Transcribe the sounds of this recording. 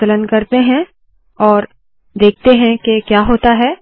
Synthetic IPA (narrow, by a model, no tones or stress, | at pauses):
ələnkɐɾt̪eɦɛ̃ | ɔːɾ | d̪eːk̚ʰt̪eɦɛ̃kekjaːɦoːt̪aɦɛː